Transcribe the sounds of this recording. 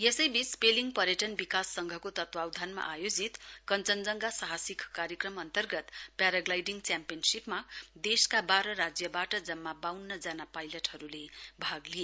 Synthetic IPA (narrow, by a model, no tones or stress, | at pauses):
jesʌjbit͡speliŋpʌɾjʌʈʌnbikasːʌŋɡʱʌkot̪ʌt̪wawd̪ʱanma̰ʔajod͡zit̪kʌnt͡sʌnd͡zʌŋɡasaɦasikkaɾjʌkrʌmʌnt̪ʌrɡʌt̪paɾʌɡlajɖiŋt͡sjampijʌnsipmad̪eskabaɾʌɾad͡zjʌbaʈʌd͡zʌmːabawnːʌd͡zanapajlʌʈhʌɾulebʱaɡlie